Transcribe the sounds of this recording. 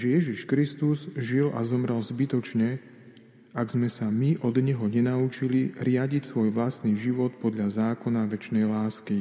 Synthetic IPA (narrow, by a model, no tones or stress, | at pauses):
ʒɛjɛʒiʃkɾist̪uzʒilʔa̰zɔmɾɛlzbit̪ɔt͡ʃɲɛ | aɡzmɛsamiʔɔd̪ɲɛɦɔɲɛnaut͡ʃiliɾɪaɟicsʋɔjʋlast̪niʒiʋɔt̪pɔd̪ʎazaːkɔnaʋɛt͡ʃnɛjlaːski